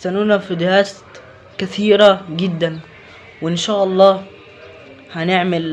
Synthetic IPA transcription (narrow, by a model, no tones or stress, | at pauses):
t̪anuːnafid̪ɪɾaːs | kaθiːɾaɡɪd̪ːan | wʔɪnʃaːʔɑlˤːɑː | hanɪʕmal